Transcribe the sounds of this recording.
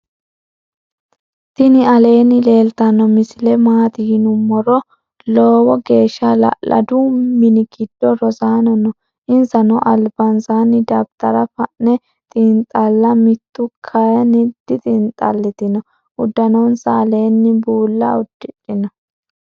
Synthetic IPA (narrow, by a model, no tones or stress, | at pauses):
t̪ɪnɪɐle̞ːnːɪle̞ːlt̪ɐnːɔmɪsɪlɛmaːt̪ɪjɪnʊmːɔɾɔ | loːwɔɡe̞ːʃːɐlɐ̰ʔɐ̰d̪umːɪnɪɡɪd̪̥ːɔɾɔzaːnɔnɔ | ʔɪnzɐnɔʔɐlbɐnsaːnɪd̪ɐbt̪ɐɾɐfɐʔnɛ | t̪ʼɪnt̪ʼːɐlːɐmɪt̪ːʊkʰɐjɐnɪd̪̥ːɪt̪ʼɪnt̪ʼːɐ̰lːɪt̪ɪnɔ | ʔʊd̪ːɐnɔnsɐːle̞ːnːɪbuːlːɐʊd̪̥ːɪᶑɪnɔ